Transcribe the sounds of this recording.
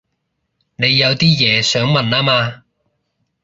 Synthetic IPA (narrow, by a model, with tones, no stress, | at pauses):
ne˨˧jːɐ˨˧wt̪iː˥jɛː˨˧sœː˨˥ŋmɐ˨naː˥maː˧